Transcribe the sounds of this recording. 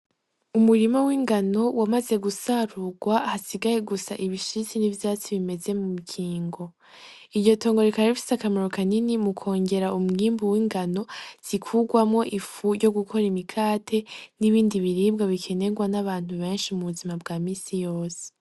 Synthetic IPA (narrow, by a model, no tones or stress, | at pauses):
umuɾimawiːŋɡano̞wamaze̞ɡusaɾuɡwahasiɡaje̞ɡusa̰ʔiβiʃizinivjaːt͡siβime̞ze̞mumikʰiːŋɡo̞ | iɾɟo̞to̞ːŋɡo̞ɾikaɾefi̥sakamaɾokaninimukʰo̞ːɲɟe̞ɾaumŋiːmbuwiːŋɡano̞z̥ikʰuɡwamŋo̞ʔifujɟo̞ɡukʰo̞ɾimikʰaːtʰe̞niβiːndiβiɾiːb̚ɡaβikʰe̞ne̞ɡwanaβaːn̥huβe̞ːnʃimuβuzimabɡaːmiːsijo̞ːse̥